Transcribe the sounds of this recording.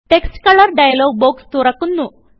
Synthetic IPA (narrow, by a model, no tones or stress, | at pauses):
ʈeksʈkɐləɾɖajaloɡ̚bokst̪uɾakunːu